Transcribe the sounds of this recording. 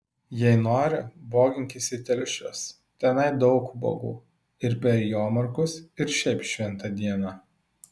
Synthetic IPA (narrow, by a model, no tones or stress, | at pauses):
jɛɪnoːɾʲɪboːɡʲɪŋʲkʲɪsʲɪt̪ʲɛlʲʃʲo̰ːs | t̪ʲɛnɐɪd̪ɒʊkbo̰ːɡṵː | ɪɾpʲɛɾjoːmɐɾkʊsɪɾʃʲɛɪpʃʲʋʲɛnˑt̪ɐd̪ʲiɛnɑ